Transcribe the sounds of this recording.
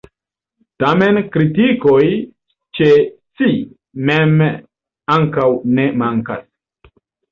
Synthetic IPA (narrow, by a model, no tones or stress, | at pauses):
tame̞nkɾitikoj | t͡ʃet͡si | mem | aŋkawne̞maŋka̰s